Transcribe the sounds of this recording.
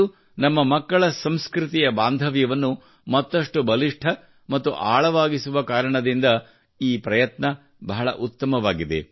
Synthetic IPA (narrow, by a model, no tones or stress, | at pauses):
u | nɐmːɐmɐkːɐɭɐsɐmskɾut̪ijɐbaːnd̪ʱɐʋjɐʋɐnːu | mɐt̪ːɐʂʈubɐliʂʈʰɐ | mɐt̪ːuʔaːɭɐʋaːɡisuʋɐkaːɾɐɳɐd̪ind̪ɐ | iːpɾɐjɐt̪nɐ | bɐɦɐɭɐ̰ʔut̪ːɐmɐʋaːɡid̪ḛ